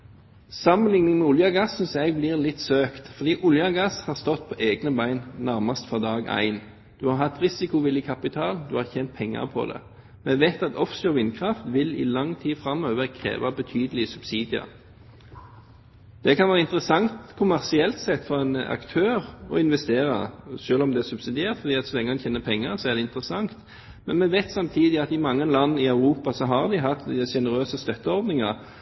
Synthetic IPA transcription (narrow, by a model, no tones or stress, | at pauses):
sɑmənlɪŋnɪŋmɛʊljɑɡɑsːʏnsæɡ̚bliːʁlɪt̪ːsøːkt̪fɔʁd̪iːʔʊljɑɡɑshɑːʁst̪ɔt̪ːpʰɔʔeːɡnəbæɪnnæʁmɑst̪fɔʁd̪ɑːɡæ̰ɪn | d̪̥ʉhɑɾhɑt̪ːʁɪsɪkʊʋɪljəkʰɑpɪt̪ʰɑːld̪ʉhɑːçɛːnt̪̚pʰɛŋːɑ̰ʁpʰɔ̰d̪ɛ̰ | mɛʋet̪ɑt̪ɔfsəɔʋɪnkʰʁɑft̪ʋɪlɪ̰lɑŋt̪ʰiːfɾɑmøːʋəʁkʰʁḛːʋɑbət̪ʰyːd̪əlɪsʉb̥siːd̪ɪɑ̰ | d̪̥ɛkʰɑnʋæːʁəɪnt̪əɾəsɑŋt̪kʰʊmæʁsɪɛlt̪sɛt̪ːfɔʁɛnɑ̰kt̪ʰøːʁɔ̰ɪnʋɛst̪eːʁɑ̰ʃøːlɔmd̪ɛːsʉbsɪd̪ɪeːʁt̪fɔʁd̪iːɑt̪sɔlɛŋːəmɑnçʰeːnəpʰɛŋːəʁsɔæʁd̪ɛɪnt̪ɾəsɑŋt̪ | mɛnmɛʋɛɪt̪sɑmt̪ʰiːd̪ɪɑt̪ɪmɑŋːəlɑnːɪɑʉɾuːpɑsɔɦɑʁd̪ɪɦɑt̪ːʃɛnəɾøːsəst̪œt̪ːəɔʁd̪nɪŋɑʁ